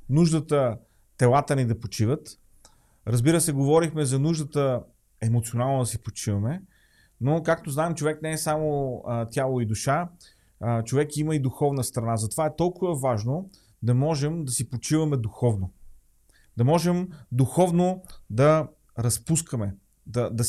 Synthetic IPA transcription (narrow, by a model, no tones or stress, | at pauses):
nuʒd̪ət̪ə | t̪ɛlˠat̪ənɛd̪ɐpot͡ʃivət̪ | ɾɐzbiɾəsɛɡovɔɾixmɛzɐnuʒd̪ət̪ə | ɛmot̪sionalˠnod̪ɐsipot͡ʃivɐmɛ | nokak̚t̪oznaɛmt͡ʃovɛknɛɛsamot̪ʲjalˠoid̪uʃa | t͡ʃovɛkiməid̪uxɔvnəst̪ɾɐnazɐt̪ovaɛt̪ɔlˠkʊvəvaʒno | d̪ɐmɔʒɛmd̪ɐsipot͡ʃivɐmɛd̪uxɔvno | d̪ɐmɔʒɛmd̪uxɔvnod̪ɐ | ɾɐspuskəmɛ | d̪ɐd̪ɐ